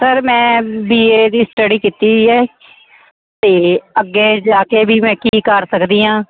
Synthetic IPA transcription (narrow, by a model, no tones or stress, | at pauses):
səɾmɛ̃ːbiːeːd̪iːsʈəɖiːkiːt̪iːɛː | t̪eːəɡːeːd͡ʒaːkeːbʱiːmɛ̃ːkiːkəɾsəkd̪iːãː